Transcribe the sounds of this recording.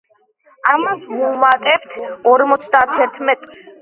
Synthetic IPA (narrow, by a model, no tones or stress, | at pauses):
amasmuumat̪ʼɛpt̪ʰɔɾmɔt̪sʰd̪at̪ʰɛɾt̪ʰmɛt̪ʼ